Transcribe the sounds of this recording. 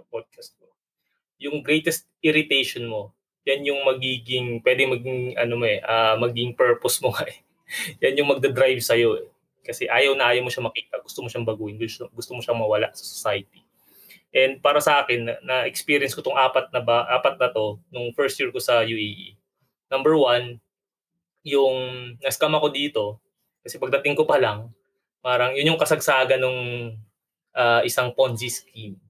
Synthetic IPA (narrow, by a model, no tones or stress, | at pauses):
ɐpod̪̚kʰɐst̪̚ko | jʊŋɡɾɛjt̪ɛst̪̚ʔɪɾɪt̪ejʃonmo̞ | janjʊŋmɐɡiːɡɪŋpwɛːd̪ɛmɐɡɪŋɐ̰nomoʔɛʔamɐɡɪŋpɛɹposmokɐʔɛ | janjʊŋmɐɡ̚d̪ɐd̪ɾajvsɐjo̞ʔɛ | kɐsɛʔaːjɐwnɐʔaːjɐwmoʃamɐkiːt̪ɐʔɡʊst̪omoʃaŋbɐɡuːʔɪnɡʊɡʊst̪omoʃaŋmɐwɐla̰ʔsɐ̥sosajɐt̪i | ʔɛnd̪̚paːɾɐsɐʔaːkɛnɐːɐʔɛkspiːɾjɛnskot̪oŋʔaːpɐt̪̚nɐbɐʔaːpɐt̪̚nɐt̪o̞nʊŋfɛɹst̪̚jiɹkosɐjuʔejʔḭ | nɐmbɛɹwan | jʊŋnɐskamɐko̞d̪iːt̪o̞ | kɐsɛpɐɡ̚d̪ɐt̪ɪŋkopɐlɐŋ | paːɾɐŋjʊnjʊŋkɐsɐɡsaːɡɐnoŋ | ʔaːʔɪsaŋponziskim